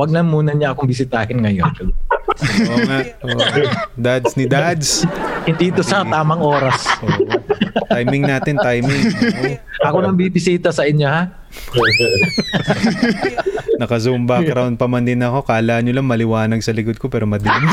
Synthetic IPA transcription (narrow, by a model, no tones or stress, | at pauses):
wɐɡ̚nɐŋmuːnɐɲɐʔɐkoŋbɪsiːt̪aːkɪnŋɐjonɐ | ʔoŋaʔoʔŋd̪ad̪snɪd̪ad̪shɪnd̪iːt̪osɐt̪aːmɐŋʔoːɾɐsʔo | t̪ajmmɪŋnaːt̪ɪnt̪ajmɪŋ | ʔɐkonɐɡbibɪsiːt̪ɐsɐʔɪɲjo̞ha | nɐkɐzumbɐkɾawn̚pɐmɐnd̪ɪnɐko̞kɐʔɐlaːʔɐnɲolɐŋmɐlɪwaːnɐɡ̚sɐlɪkod̪̚ko̞pɛːɾomɐd̪ɪn